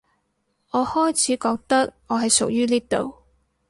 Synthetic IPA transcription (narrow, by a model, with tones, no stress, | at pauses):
ɔː˨˧hɔː˥jt͡sʰiː˨˥kɔː˧k̚t̪ɐ˥k̚ | ɔː˨˧ɦɐ˨˩jsʊ˨k̚jyː˥niː˥t̪o̰˨w